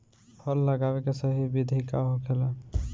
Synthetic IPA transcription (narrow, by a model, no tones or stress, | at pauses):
pʰɔlːəɡaːwekesəɦibɪd̪ʱikaɦokʰela